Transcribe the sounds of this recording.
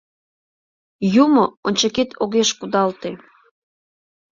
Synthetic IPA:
jumoonʲt͡ɕeket̪ʰoɣeʃkud̪ɑlt̪e

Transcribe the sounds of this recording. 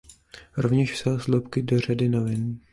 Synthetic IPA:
ɾovɲɛʃfsɛlslopkɪdor̝adɪnovɪn

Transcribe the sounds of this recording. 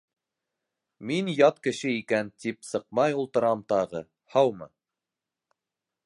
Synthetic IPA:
minjɑt̪kɘ̆ʃɘikænt̪ipsɤ̆q̚mɑjulˠt̪ɤ̆ɾɑmt̪ɑʁɤ | hɑwmɤ̰

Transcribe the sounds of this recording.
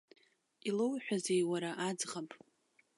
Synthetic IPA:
ilowħʷᶣazejwaɾaʔad͡zʁapʼ

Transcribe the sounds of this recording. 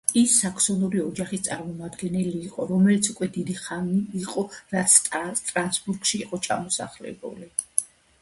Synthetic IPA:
isːakʰsɔnuɾiɔd͡ʒaχist̪sʼaɾmɔmad̪ɡɛnɛliːqʼɔɾɔmɛlit̪sʰukʼwɛd̪id̪iχaniːqʼɔɾat̪sʰst̪ʼɾansbuɾkʃiːqʼɔt͡ʃʰa̰mɔsa̰χlɛ̰bṵli

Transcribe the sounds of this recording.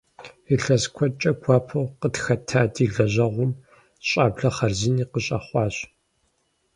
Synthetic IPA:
iɬɐzkʷʰɔt͡ʃʼɐɡʷʰɑːpʰoqətxɐtʰaːdiːɮɐʑɐʁʷʊm | ɕʼaːbɮɐχɐrzɪniːqəɕʼɐ̰χʷɑːɕ

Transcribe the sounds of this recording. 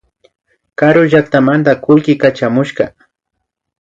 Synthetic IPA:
kaɾʊʒakt̪amant̪akʊlkɪkat͡ʃamʊʃkɑ

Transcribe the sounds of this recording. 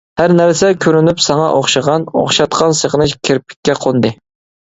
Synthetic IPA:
hæɾnæɾsɛkʲʰøɾynypsɑŋɑ̰ʔoχʃɨʁɑno̰χʃɑt̪qʰɑnsəʁənɨʃkʲʰeɾpʰɪ̥kʲːɛqʰond̪ɨ

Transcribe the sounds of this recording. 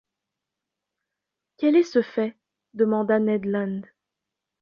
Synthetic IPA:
kʲɛlɛsəfɛ | d̪əmɑ̃d̪anɛd̪lãnd̪

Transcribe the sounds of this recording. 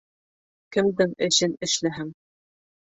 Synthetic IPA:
kɘ̆md̪ɘŋɘ̆ɕɘnɘ̆ʃlæɦæm

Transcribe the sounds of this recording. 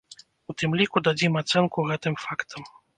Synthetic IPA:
ut̪ɨmlʲikud̪ad͡zʲimat̪sɛnkuɣɛt̪ɨmfakt̪ʰɐm

